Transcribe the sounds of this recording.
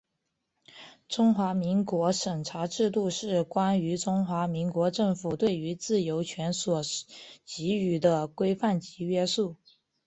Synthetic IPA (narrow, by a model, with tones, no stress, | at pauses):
ʈ͡ʂʊ˥ŋxwa˧˥mi˧˥ŋkwɔ˧˥ʂə˨˩ŋʈ͡ʂʰa˧˥ʈ͡ʂɻ̩˥˧t̪̬u˥˧ʂɻ̩˥˩kwa˥ny˧˥ʈ͡ʂʊ˥ŋxwa˧˥mi˧˥ŋkwɔ˧˥ʈ͡ʂɤ˥˩ŋfu˨˩t̪we˥˩ɪy˧˥t͡sɹ̩˥˩jo˧˥ʊt͡ɕʰɥɛ˧˥nswɔ˨˩t͡ɕi˧˥y˨˩d̪ə˦kwe˥ɪfa˥˩nt͡ɕi˧˥ɥɛ˥su˥˩